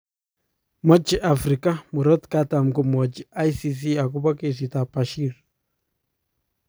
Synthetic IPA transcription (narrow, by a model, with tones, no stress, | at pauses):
mɔ˦t͡ʃiʔafɾika˦muɾɔ˦t̪kata˨mku˨mɔt͡ʃia˦jsis̬i˦a˨ku˦ba˦ke˨sit̪a˨paʃiɾ